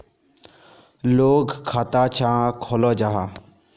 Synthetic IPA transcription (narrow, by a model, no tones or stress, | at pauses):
loːɡkʰːaːt̪aːt͡ʃʰãːkʰoːloːd͡ʒaɦaː